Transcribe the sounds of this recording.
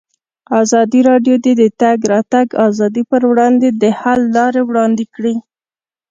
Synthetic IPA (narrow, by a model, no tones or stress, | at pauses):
ɑzɑd̪iɾɑɖjod̪ed̪ət̪aɡɾɑt̪aɡɑzɑd̪ipəɾwɽɑnd̪ed̪əhalːɑɾewɽɑnd̪ɪkɽi